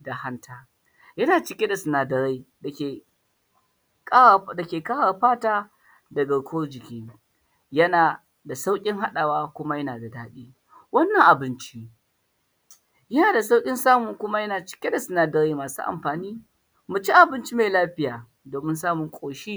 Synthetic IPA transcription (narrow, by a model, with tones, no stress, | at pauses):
da˨ha˦ntʰaː˦ | jɐ˦naː˨t͡ʃɪ˨˦kʲe˦da˨sʊ˨naː˨dɐ˨ɾa˦jda˨kʲeː˨ | kdɐ˨kʲeː˨kaː˦ɽa˨ɸaː˦taː˦ | dɐ˨ɡɐ˨ɽkʷoː˦rd͡ʒɪ˨kʲi˦ | jɐ˦naː˨ | da˨sa˦wkʲʼɪ˦ŋɦa˦ɗaː˨waː˦kʷʊ˦ma˦jɐ˦naː˨da˨daː˦ɗiː˦ | wɐ˦nːɐ˨ŋʔa˨bɪ˦nt͡ʃi˦ | jɐ˦naː˨da˨s̬a˦wkʲʼɪ˦nsaː˦mʊ˨ŋkʷʊ˦ma˦jɐ˦naː˨t͡ʃɪ̥˨kʲe˦da˨sʊ˨naː˨dɐ˦ɾa˦jmaː˨sṵː˦ʔa̰˨mɸaː˨niː˦ | mʊ˨t͡ʃi˦ʔa˨bɪ˦nt͡ʃi˦ma˨laː˦ɸɪ˦jaː˨ | doː˨mɪ˦nsaː˦mʊ˨ŋkʷʼoː˨ʃi˦